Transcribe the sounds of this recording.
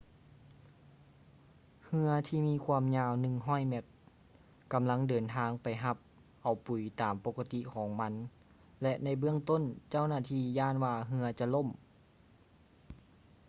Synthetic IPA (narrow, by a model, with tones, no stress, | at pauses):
hɯ˧ɐt̪ʰiː˧˩miː˧˥˨kʰwuː˧ə˨mɲaː˧˨wnɯ˧˨ŋɦɔː˥˩˨jmɛ˧˥t̪̚ | ka˨mla˧˥˨ŋdɤː˨˩nt̪ʰaː˧˥ŋpa˨jɦa˧p̚ | ʔa˨˩wpu˨˩jt̪aː˨mpo˧ka˧t̪i˧kʰɔː˨˦ŋma˧˥n | lɛ˧ʔna˧˩jbɯ˥˩əŋt̪o˧˥˨nt͡ɕa˧˥˩wnaː˧˩t̪ʰiː˧˩jaː˧˥˨nwaː˧˩ɦɯ˧ɐt͡ɕa˧lo˧˥˨m